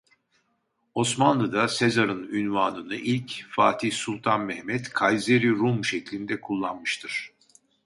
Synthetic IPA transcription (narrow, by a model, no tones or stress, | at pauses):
o̞smanlˠɯd̪ase̞zaɾɯnynvaːnɯnɯʔilʲcfaːt̪ʰihsulˠt̪ʰanmɛhmɛt̪kʰajzeɾiɾumʃeclʲind̪ɛkʰulˠːanmɯʃt̪ʰɯɾ̥